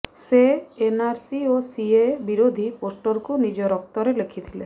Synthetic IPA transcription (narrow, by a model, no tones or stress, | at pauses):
seːnaɾsiosiebiɾod̪ʱiposʈɔɾkunid͡ʒɔɾɔk̚t̪ɔɾelekʰit̪ʰile